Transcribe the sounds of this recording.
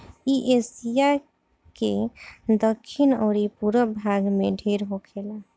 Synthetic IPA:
iʔesija | ked̪əkʰːinoɾipuɾəbʱaɡmeɖʱeɾɦokʰela

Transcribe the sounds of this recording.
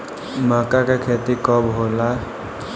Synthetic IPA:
məkakekʰet̪ikɔbɦola

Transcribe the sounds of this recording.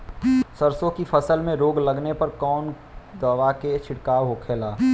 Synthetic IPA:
səɾsõkipʰəsəlmẽɾoːɡləɡnepɐɾkɔːn | d̪ɔʋaket͡ʃʰɪɽkaːwɦokʰeːlaː

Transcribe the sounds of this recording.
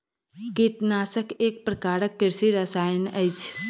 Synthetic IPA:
kiʈnaːsəkek̚pɾəkaːɾəkːiɾsiɾəsajənəjt͡ʃʰ

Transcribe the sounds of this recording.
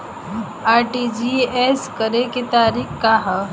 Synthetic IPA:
aɾʈid͡ʒieskəɾeket̪aɾiːkkaɦə

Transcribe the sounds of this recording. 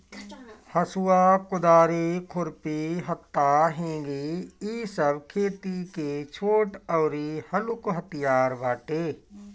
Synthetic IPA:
həsʊwakʊd̪aːɾekʰʊɾpiɦət̪ːaɦẽːɡeiːsəbkʰeːt̪iket͡ʃʰoːʈəʊɾihəlʊkɦət̪ijaːɾbaːʈeː

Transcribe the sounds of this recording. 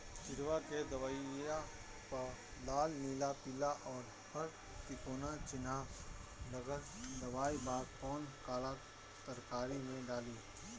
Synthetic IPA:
t͡ʃɪɾʋaked̪ɐʋaia | pəlaːlniːlapɪlaʔɔːɾ | həɾ | t̪ɪkoːnat͡ʃɪna | nəɡəɾ | d̪ɐʋaːibaːɡ̚kɔːnkaːla | t̪əɾkaːɾimẽɖaːliː

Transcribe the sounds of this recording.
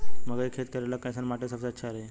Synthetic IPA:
məɡekʰet̪̚kəɾalakãjsənmaʈesəkseətːɕʰaɾe

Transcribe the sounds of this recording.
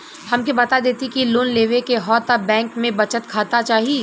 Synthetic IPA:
hɐmkebɐt̪ad̪eːt̪ikiloːnleːʋekeɦɔːt̪abɛ̃ːŋkmẽbɐt͡ʃət̪kʰaːt̪at͡ʃaːɦie

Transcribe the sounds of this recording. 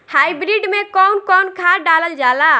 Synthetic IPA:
hajbɾiɖmekɔnkɔnkʰaɖaləld͡ʒala

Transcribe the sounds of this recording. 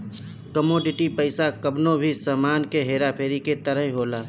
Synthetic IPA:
kəmoːɖɪʈipəɪsakəbnobʱisaːmaːnkeɦeːɾapʰeːɾiket̪əɾəɦɦoːlaː

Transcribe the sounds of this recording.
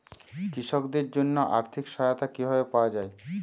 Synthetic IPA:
kɾiʃokd̪eɾd͡ʑonːoʔa̰ɾt̪ʰikʃɔjat̪akibʱabepaoad͡ʑae

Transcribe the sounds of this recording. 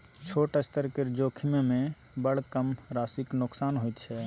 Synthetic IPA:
t͡ʃʰoʈəst̪əɾkeɾd͡ʒokʰimemẽ | bəɽ̤kəmɾasiknʊksanɦojt̪t͡ʃʰɛ

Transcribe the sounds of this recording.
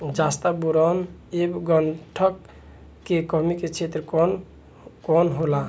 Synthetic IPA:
d͡ʒast̪abuɾanebɡɔɳʈʰəkː | ekɔmiket͡ʃʰet̪ɾəkɔn | kɔnɦola

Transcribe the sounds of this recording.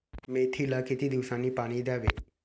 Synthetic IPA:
met̪ʰilakit̪id̪iʋsãnipaːɽ̃id̪jaːʋḛː

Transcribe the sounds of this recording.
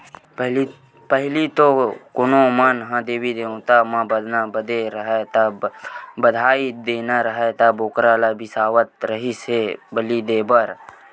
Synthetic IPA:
ɦl | pəɦlit̪okʊnõmənɦãd̪eːbid̪eːõt̪amãbəd̪nabəd̪eɾəɦet̪a | bəd̪ʱaːid̪eːnaɾəɦet̪aboːkɾaːlabʱɪsaːʋət̪̚ɾəɦisebəlid̪eːbəɾ

